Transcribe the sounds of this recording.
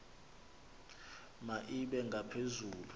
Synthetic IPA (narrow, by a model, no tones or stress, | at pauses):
maʔiɓɛŋɡʱapʰezuːlu